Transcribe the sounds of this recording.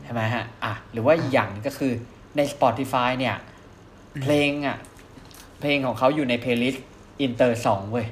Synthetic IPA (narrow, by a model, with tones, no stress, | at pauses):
t͡ɕʰa˥˩ma˦˥jɦa˦˧˥ʔʔa˨˩ɾɯː˩˦waː˥˩ʔi˨˩k̚jaː˨˩ŋna˧˩kɔ˥˩kʰɯː˧ | na˧jsa˧pɔː˨˩t̪ʰːi˦˥faː˧jni˥˩ɐ | pʰleː˧ŋʔa̰˨˩ | pʰleː˧ŋkʰɔː˩˦ŋkʰa˦˥wjuː˨˩na˧jpʰeː˧li˦˥st̪̚ | ʔi˧nt̪ɤː˧sɔː˩˦ŋduː˧j